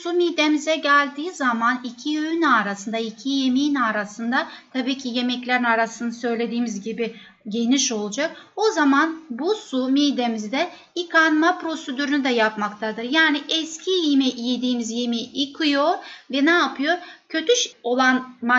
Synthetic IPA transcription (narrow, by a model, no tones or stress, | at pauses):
sumid̪emizɛɟælʲd̪iːzamanicʰiøynaɾasɯnd̪aicʰije̞miːnaːɾasɯnd̪at̪ʰabiːcʰije̞mɛclʲeɾinaɾasɯnd̪asø̞jlʲe̞d̪iːmizɟibi | ɟe̞niʃo̞lˠud͡ʒako̞zamanbusumid̪e̞mizd̪ɛ | ikʰanmapɾo̞sed̪yɾynyd̪ɛjapmakt̪ʰad̪ɯɾjaːniʔɛscʰijimɛʔijid̪iːmizjemiikʰɯjoɾvɛnɛːpʰɯjo̞ɾcʰø̞t̪yʃo̞lˠanma